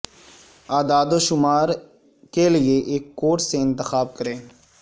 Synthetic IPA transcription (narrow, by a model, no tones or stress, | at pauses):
aːd̪aːd̪oʃʊmaːɾ | kelieʔeːkːoːʈseɪ̃nt̪ɪxaːb̚kɐɾẽː